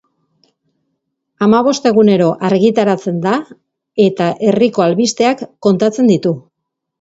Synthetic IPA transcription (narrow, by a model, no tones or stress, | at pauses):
amaβ̞o̞st̪e̞ɣ̞une̞ɾo̞ʔaɾɣit̪aɾat͡se̞nd̪a | e̞t̪aʔe̞riko̞alβist̪e̞akːo̞nt̪at͡se̞nd̪it̪u